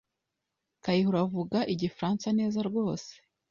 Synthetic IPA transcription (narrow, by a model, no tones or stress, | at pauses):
kajihuɾavuɡaʔiɟifɾaːnsaneːzaɾɡo̞ːse̥